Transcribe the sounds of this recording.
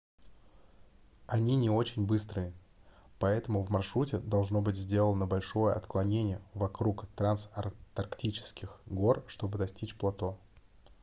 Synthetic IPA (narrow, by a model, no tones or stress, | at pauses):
ɐnʲinʲɪo̞t͡ɕɪnʲbɨst̪ɾɨɪ | pɐɛt̪əmʊvmɐrʂɾutʲɪd̪ɐlˠʐno̞bɨtʲzʲdʲe̞lˠənəbɐlʲʂo̞jəɐ̰t̪klˠɐnʲenʲɪjəvɐkɾukt̪ɾansɐt̪ɐrktʲit͡ɕɪ̥skʲɪxɡo̞rʂt̪o̞bɨd̪ɐsʲtʲit͡ɕplˠɐt̪o̞